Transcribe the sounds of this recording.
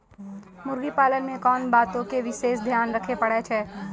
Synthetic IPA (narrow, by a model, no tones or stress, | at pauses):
mʊɾɡipaːlənmẽkɔːnbaːt̪õkeʋɪʃeːsd̪ʱjaːnɾɐkʰepɐɽet͡ʃʰɛː